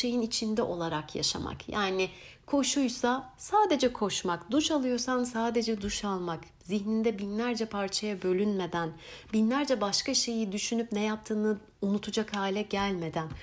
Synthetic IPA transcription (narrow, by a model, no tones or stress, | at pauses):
e̞jinit͡ʃʰind̪ɛʔo̞lˠaɾakja̰ʃa̰ma̰kjaːnɪkʰo̞ʃujsasaːd̪e̞d͡ʒɛkʰo̞ʃmakd̪uʃalˠɯjo̞ɾsansaːd̪e̞d͡ʒɛd̪uʃalˠmak | ziçnind̪ɛbinlʲæɾd͡ʒɛpʰaɾt͡ʃʰajabø̞lʲynme̞d̪ænbinlʲæɾd͡ʒɛbaʃkaʃe̞jid̪yʃynypnɛjap̚t̪ʰɯːnɯ | unut̪ʰud͡ʒakhaːlʲɛɟælʲme̞d̪æn